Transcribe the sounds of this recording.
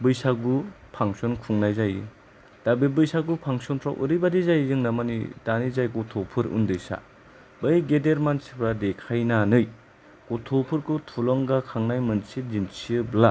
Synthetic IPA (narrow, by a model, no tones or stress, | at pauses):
bɯjsaɡu | pʰaŋsɔnkʰuŋnajzajḭ | d̥abibɯjsaɡupʰaŋsɔntʰɾawʔɯ̰ɾɯjbadizajzɯŋnamanḭdanizajɡɔtʰɔpʰɯɾṵndɯjsa̰ | bɯjɡedeɾmansi̥pʰɾadekʰajnanɯj | kɔtʰopʰɯɾkʰutʰulɔŋɡakʰaŋnajmɯnsid͡ʒinsiɯbla